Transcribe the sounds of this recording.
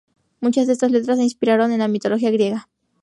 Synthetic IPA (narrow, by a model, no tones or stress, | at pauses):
mut͡ʃazðeest̪asle̞t̪ɾaseinspiɾaɾo̞ne̞nlamit̪o̞loxiaɣɾje̞ɣa